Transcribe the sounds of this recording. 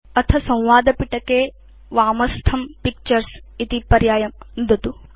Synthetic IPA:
ɐt̪ʰɐsɐ̃w̃ʋaːd̪ɐpiʈɐkeː | ʋaːmɐst̪ʰɐmpik̚t͡ʃɐɾsit̪ipɐɾjaːjɐmnd̪ʱɐt̪u

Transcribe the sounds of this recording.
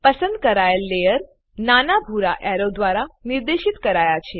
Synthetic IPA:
pəsənd̪̚kəɾajlːejəɾ | nanabʱuɾa̰ʔɛɾod̪ʋaɾaniɾd̪eʃit̪kəɾajat͡ɕʰe

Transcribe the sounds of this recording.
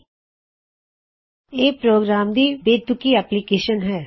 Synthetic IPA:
eːpɾoːɡɾaːmd̪ibeːt̪ʊkiɛːplikeːʃənɦɛː

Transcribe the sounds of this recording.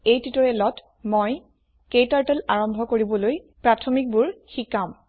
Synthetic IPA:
ejtɹitɔɹɛlɔt | moj | kejtaɹtɛlaɹɔmbʱɔkoɹibɔloj | pɹatʰɔmik̚buɹxikam

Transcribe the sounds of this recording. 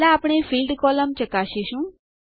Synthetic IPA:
laːpɽ̃efilɖkɔləmt͡ʃəkaʃeʃũː

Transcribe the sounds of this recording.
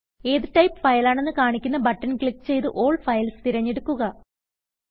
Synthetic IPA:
eːðɨʈɐjpːfɐjlaːɳe̞nːɨkaːɳikʲːunːɐbɐʈːɐnkɭikːt͡ɕe̞jt̪ɨʔo̞ːɭɖfɐjlst̪iɾɐɲːeɽukːuɣɐ

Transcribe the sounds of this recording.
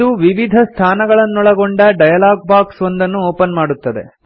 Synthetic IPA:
uʋiʋid̪ʱɐst̪ʰaːnɐɡɐɭɐnːɔɭɐɡoɳɖɐɖɐjɐlaːɡ̚baːksond̪ɐnːuoːpɐnmaːɽut̪ːɐd̪e̞̰

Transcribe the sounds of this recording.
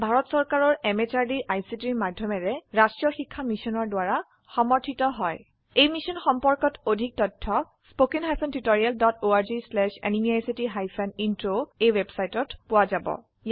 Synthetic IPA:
bʱaɹɔtsɔɹkaɹɔɹɛmet͡ʃaɹdiʔajsitiɹmadʱjɔmɛɹɛɹastɹijɔxikʰːamisɔnɔɹdwaɹa | xɔmɔɹtʰitɔɦɔj | ejmisɔnxɔmpɔɹkɔtodʱik̚tɔtʰːɔ | spokinɦajpʰɔntutoɹialdɔtoaɹzislɛʃḛnimiajsitiɦajpʰɛnintɹoejwebsajtɔtpʊwazabɔ̰ | j

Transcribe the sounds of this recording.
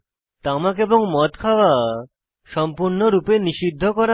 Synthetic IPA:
t̪amakeboŋmɔt̪kʰawa | ʃɔmpuɾnoɾupeniʃid̪ʱːokɔɾa

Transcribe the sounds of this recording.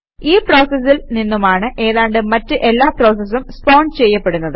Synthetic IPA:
iːpro̞ːsɐs̬ilninːumaːɳɨʔe̞ːðaːɳɖɨmɐtːɨʔe̞lːaːpro̞ːs̬ɐs̬umspo̞ːɳɖɨt͡ɕe̞jːɐpːe̞ɽunːɐðɨ

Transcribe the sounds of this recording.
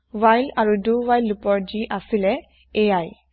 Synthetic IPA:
ʋajlaɹuduʋajlːupɔɹd͡ʒiʔasilɛ | eaj

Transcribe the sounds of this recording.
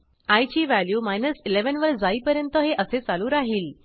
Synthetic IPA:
ajt͡ɕiːʋæljuːmajnəsileʋənʋəɾd͡zaiːpəɾjənt̪əɦeʔəset͡saluːɾaɦiːl

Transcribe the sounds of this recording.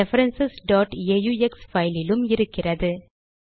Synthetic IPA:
ɛfɐɾɛnsɪsɖɔːʈeːjuɛksfɐɪlɪlɯmɪɾɯkːɪrɐðɯ

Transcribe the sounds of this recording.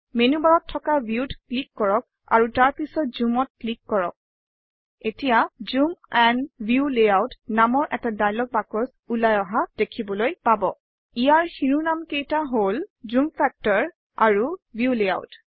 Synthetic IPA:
menubaɹɔtʰːɔkabiutklikːɔɹɔk̚ | a̰ɹutaɹpisɔt̚zumɔt̚klikːɔɹɔ̰k̚ | etijazumɛnbjuleawtnamɔɹʔɛtadajlɔɡ̚bakɔs | ulajɔɦad̥ekʰibɔlojpabɔ | ijaɹxiɹunamkejtaɦolzumfɛk̚tɔɹ | a̰ɹubjulea̰wt

